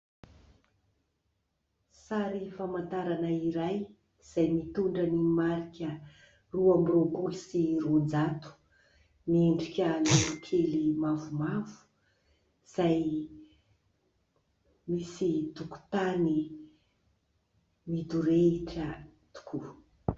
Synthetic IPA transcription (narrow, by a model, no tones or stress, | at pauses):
saɾifamant̪aɾanaiɾaj | z̥ajmit̪uɳɖ͡ʐanimaɾikʲə | ruamropusirund͡zat̪u̥ | mieɳɖ͡ʐikʲəniuʈ͡ʂelimavumavu̥ | z̥aj | misit̪uku̥t̪ani | mid̪uɾeiʈ͡ʂət̪u̥kʰu